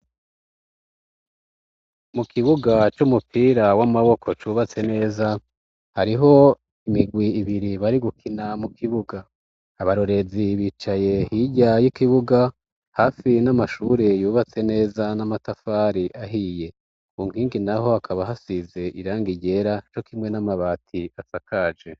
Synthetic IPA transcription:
mukʰiβuɡat͡ʃumupʰiːɾawamaβo̞kʰo̞t͡ʃuβat͡se̞ne̞ːza | haɾiɦo̞ | imiɡwiːβiɾiβaɾiɡukʰinamukʰiβuɡaː | βaɾo̞ɾe̞ziβit͡ʃaje̞hiɟajikiβuɡa | haːfinamaʃuɾe̞juːβat͡se̞ne̞ːzanamatafaːɾiʔaɦije̞ | uŋ̥iːŋɡinaho̞akʰaβaɦasize̞ʔiɾaːŋɡiɟe̞ɾat͡ʃo̞kimŋe̞namaβaːtʰiasakʰaːd͡ʒe̞

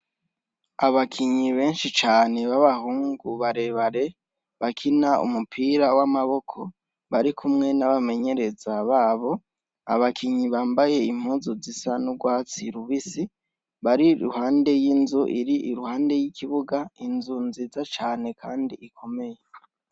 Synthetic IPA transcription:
aβakʰiɲiβe̞ːnʃit͡ʃaːne̞βaβahuːŋɡuβaɾe̞βaɾe̞ | βakʰinaṵmupʰiːɾawamaβo̞kʰo̞ | βaɾikʰumŋe̞naβame̞ɲe̞ɾe̞zaβaːβo̞ | a̰βakʰiɲiβaːmbaje̞im̥huːzuzisanuɡwaːt͡siɾuβisi | βaɾiɾṵhaːnde̞jinzuʔiɾiʔiɾuhaːnde̞jikiβuɡainzunzizat͡ʃaːne̞kʰaːndḭikʰo̞me̞je

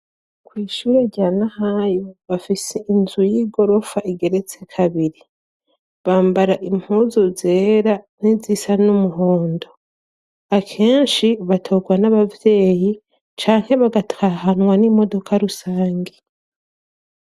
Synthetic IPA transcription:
kwiːʃuːɾe̞ɟanahajoβafiseʔinzujiːɡo̞ɾo̞faʔiɡe̞ɾe̞t͡se̞kʰaβiɾi | βaːmbaɾaʔim̥huːzoze̞ːɾanizisanumuɦo̞ːndo̞ | akʰe̞ːnʃiβatʰo̞ɡwanaβavje̞ːji | t͡ʃaːŋ̥he̞βaɡataɦanwanimo̞do̞kaɾusaːŋɡe

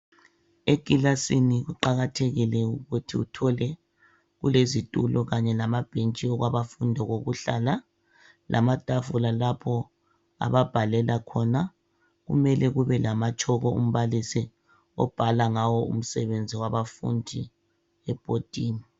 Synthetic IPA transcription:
eɡ̥ʼilasiniɣuǃaɣatʰeɣilɛuɣutʰiutʰɔlɛ | ɣulezitʼulɔɣaɲɛlamab̥ʱent͡ʃʼiɔɣwaβafundʱɔɣoɣuɬaːla | lʔa̰matʼavulalapʰɔ | a̰βab̥ʱalɛlakʰɔna | ɣṵmɛlʔɛɣuβɛlamat͡ʃʰʼɔɣɔṵm̩βalisi | ɔ̰b̥ʱalaŋawɔṵm̩sɛβend͡zʱiwaβafṵndʱi | ɛb̥ʼʱotʼiːmi

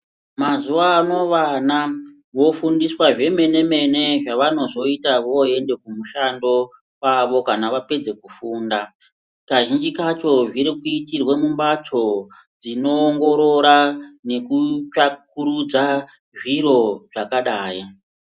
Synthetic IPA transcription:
mazuʋaːno̞ʋana | ʋo̞fundiswaʐe̞me̞ne̞me̞ne̞ʐaʋano̞zo̞itaʋo̞e̞nde̞kumuʃando̞ | waʋo̞kanaʋape̞d͡ze̞kufuːnda | kaʒind͡ʒikat͡ʃo̞ʐiɾikuitirwe̞mumbatʰo̞ | d͡zino̞ːŋɡo̞ɾo̞ɾane̞kut͡ʃakuɾud͡za | ʐiɾo̞ʐ̥akaɗaːji

